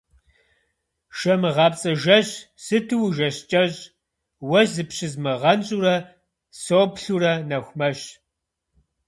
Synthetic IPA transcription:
ʃɐmɨʁɑːpt͡sʼɐʒɐɕ | sɨtʰɨwʒɐɕt͡ʃʼɐɕʼ | wɐzɨpɕɪzmɨʁɐnɕʼuɾɐ | soːpɬuɾɐnɐxʷmɐɕ

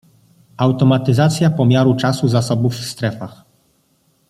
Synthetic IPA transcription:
awt̪ɔmat̪ɘzat̪sʲjapɔmʲjaɾut͡ʂasuzasɔbufst̪ɾɛfax

